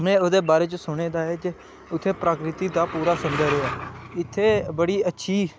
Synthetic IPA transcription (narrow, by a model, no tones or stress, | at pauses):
mẽːoːd̪eːbaːɾeːt͡ʃəsʊɽ̃eːd̪aːɛːd͡ʒe | ʊt̪ʰːeːpɾaːkɾɪt̪iːd̪aːpuːɾaːsʊnd̪aːɾeːaːɪt̪ʰːeːbəɽiːətːʃʰiː